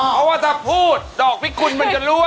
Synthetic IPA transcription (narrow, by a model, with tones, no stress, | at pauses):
pʰɔ˦˥waː˥˩t͡ɕa˧˩pʰuː˥˩t̪̚dɔː˨˩k̚pʰi˦˥˩kʰu˧nma˧nt͡ɕa˨˩ɾuː˦˥